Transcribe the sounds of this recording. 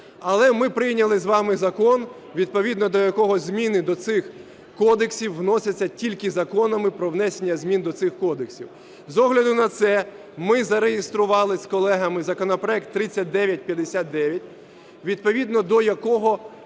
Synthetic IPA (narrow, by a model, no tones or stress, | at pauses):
ɐlˠɛmɪpɾɪjnʲɐlˠɪzʋɑmɪzɐkɔn | ʋʲid̪̚pɔʋʲid̪nɔd̪ɔjɐkɔɦɔzʲmʲinɪd̪ɔt̪sɪx | kɔd̪eksʲiwːnɔsʲɐt͡sʲːɐtʲilʲkɪzɐkɔnɐmɪpɾɔʋnɛsʲenʲːɐzʲmʲind̪ɔt̪sɪxkɔd̪eksʲiw | zɔɦlʲɐd̪ʊnɐt̪sɛ | mɪzɐɾejɪst̪ɾʊʋɑlˠɪskɔlˠɛɦɐmɪzɐkɔnɐpɾɔɛk̚t̪ːɾɪt͡sʲːɐt̚ʲd̪ɛʋʲjɐt̚ʲpʲjɐd̪esʲat̪̚d̪ɛʋʲjɐtʲ | ʋʲid̪̚pɔʋʲid̪nɔd̪ɔjɐkɔɦɔ